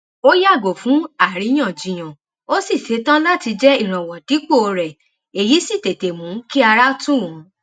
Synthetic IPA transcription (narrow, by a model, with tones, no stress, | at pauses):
o˦ja˦˨ɡo˨fũ˨˦a˦˨ɾi˨˦j̃ã˦˨d͡ʒĩ˨j̃ã˨ | o˦si˦˨se˨˦tã˦la˦ti˧d͡ʒɛ˦i˦˨ɾ̃ã˨wɔ˨di˨˦k͡po˦˨o˧ɾɛ˨ | e˨ji˨˦si˦˨te˨te˨mũ˨˦ki˦a˧ɾa˦tũ˦˨wũ˨˦